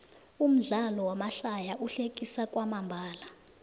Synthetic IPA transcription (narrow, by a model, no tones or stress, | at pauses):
um̩ɮalɔwamaɬajaʔuɬek̬ʼisak̬ʼwamambʱaːla